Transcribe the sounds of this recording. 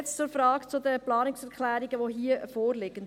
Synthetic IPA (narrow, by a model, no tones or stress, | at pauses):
t͡st͡sʊɾfɾɑːɡt͡sʊdəplɑːnɪksɛɾkʰlæːɾiɡəʋoɦiːəfoːɾlɪɡ̥ən